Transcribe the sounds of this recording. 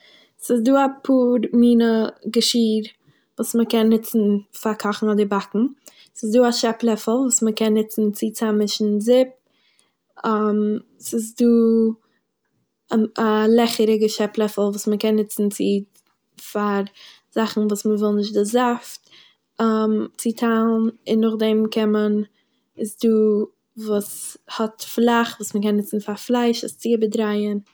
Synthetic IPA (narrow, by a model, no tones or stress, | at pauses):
sɪs̬duːapʰuːɾmiːnəɡəʃiːɾ | vuːsməkɛnːɪt͡sn̩faɾkʰɔχn̩ɔdɪbakŋ̩ | sɪsduːaʃɛplˠɛfl̩ˠvuːsməkɛnːɪt͡sn̩t͡sɪt͡samɪʃn̩zɪp̚ | ɛm | sɪs̬duː | alˠɛχəɾɪɡəʃɛplˠɛfl̩ˠvuːsməkɛnːɪt͡sn̩t͡sɪ | faɾ | z̥aχn̩vuːsməvɪlˠnɪʃ̬tdɪzaft | əmt͡sɪtʰalˠnɪnːʊχdɛmkʰɛmən | ɪsduː | vuːshɔtflˠaχvuːsməkɛnːɪt͡sn̩faɾflˠaɪʃəst͡sibədɾaɪən